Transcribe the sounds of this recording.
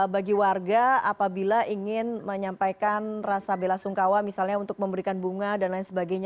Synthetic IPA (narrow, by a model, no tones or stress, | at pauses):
baɡiwarɡaapabilaʔiŋɪnməɲampajkanrasabelasuŋkawamisalɲaunt̪ʊk̚məmbəɾikanbuŋadanlaɪnsəbaɡajɲa